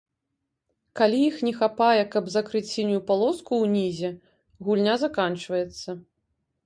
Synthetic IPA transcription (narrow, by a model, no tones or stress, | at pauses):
kalʲijixnʲɛxapajɛkɐbzakɾɨt͡sʲsʲinʲjupalˠɔskuwnʲizʲɛ | ɣulʲnʲazakant͡ʂvɐjɛt̪sːɐ